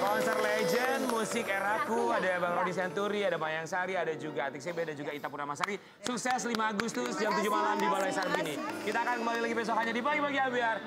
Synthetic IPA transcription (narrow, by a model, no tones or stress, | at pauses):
kɔnsɛrled͡ʒənmusɪkɛɾakuadabaŋɾodis̬iant̪uɾiadamajaŋsaɾiadad͡ʒuɡaːt̪iks̬ebedad͡ʒuɡait̪apunamasaɾi | suksɛslimaːɡust̪ʊsjaŋt̪ud͡ʒumalamdibalajisarbinikit̪aːkankəmbalilaɡipɛs̬ɔkanɲadibaɡibaɡiabiar